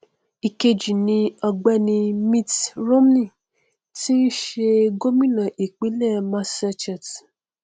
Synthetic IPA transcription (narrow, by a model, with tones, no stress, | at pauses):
i˨ke˧d͡ʒi˨nĩ˧ɔ˧ɡ͡bɛ˦nĩ˧mĩ˧tɾo˦m˦nĩ˦˨ | ti˦ni˦ʃe˧ɡo˦mĩ˦nã˨ʔi˨k͡pi˨˦lɛ˦˨mã˧sa˧t͡ʃa˨t